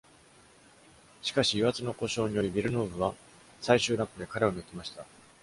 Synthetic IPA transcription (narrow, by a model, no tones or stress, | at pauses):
ɕi̥kaɕijɯβat͡sɨno̞ko̞ɕo̞ːɲ̟ijo̞ɾʲibʲiɾɯ̟no̞ːbɯ̟βa | saiɕɨːɾakːɯ̟d̪e̞kaɾe̞onɯkʲimaɕi̥t̪a